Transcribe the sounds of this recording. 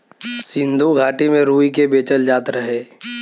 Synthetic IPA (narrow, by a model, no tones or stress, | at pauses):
sɪ̃nd̪ʱuɡʱaːʈimẽɾuːikebeːt͡ʃəld͡ʒaːt̪ɾəɦeː